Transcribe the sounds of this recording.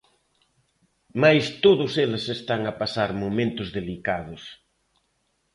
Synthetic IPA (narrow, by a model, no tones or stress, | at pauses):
majst̪oðʊselɪsest̪aŋapasaɾmomẽnt̪ʊzðelikað̞ʊs